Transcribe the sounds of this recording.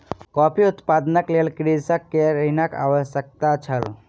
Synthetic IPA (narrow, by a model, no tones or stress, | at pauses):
kɔːpʰiʊt̪paːd̪nəklelkɾid͡ʒsəkːeɾəinəka̰ːʋəsjək̚t̪at͡ʃʰəl